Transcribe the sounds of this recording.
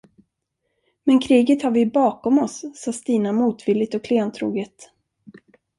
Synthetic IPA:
mɛnkʰɾiːɡət̪haɾvɪbɑːkɔmɔsːɑːst̪iːnamuːt̪vɪlːɪt̪ɔkʰleːnt̪ʰɾṵːɡət̪

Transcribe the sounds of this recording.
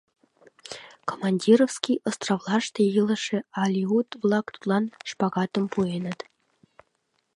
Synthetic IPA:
komɑnʲdʲirofskʲijʔŏst̪rovlˠɑʂt̪ʲejɯlˠɤ̆ʂĕɑlʲiut̪vlˠɑkt̪u̥t̪lˠɑnʂpɑɡɑt̪ɤ̆mpuenɤ̆t̪

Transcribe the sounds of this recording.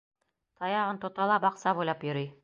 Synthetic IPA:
t̪ʰɑjɑʁɤnt̪ŏt̪ɑlˠɑbɑqsɑbujlˠɑpjɵ̆ɾɤj

